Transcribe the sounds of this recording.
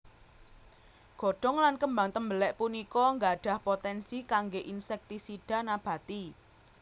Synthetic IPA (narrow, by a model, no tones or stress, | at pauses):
ɡ̥o̤ɖ̥ɔ̤ŋlankəmbaŋt̪əmbəlɛʔpunikɔŋɡaɖ̥ä̤hpot̪ɛnsikaŋɡeʔinsɛk̚t̪isiɖ̥a̤nab̥ä̤t̪i